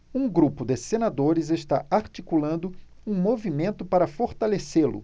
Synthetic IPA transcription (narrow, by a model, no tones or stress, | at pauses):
ũɡɾupʊd̪esenad̪oɾɪzeʃt̪aaɾt͡ʃikulɐ̃nd̪ʊ | ũmovimẽnt̪ʊpaɾɐfoɾt̪aleselʊ̰